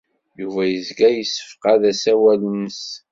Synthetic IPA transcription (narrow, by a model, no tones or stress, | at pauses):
juvæjəzɡæjəsːə̥fqaðæsæwælənəs